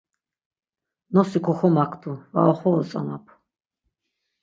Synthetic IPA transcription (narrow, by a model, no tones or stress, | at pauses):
nɔsikʰɔχɔmakʰt̪uva̰ɔχɔɔt͡sʼa̰mapʰ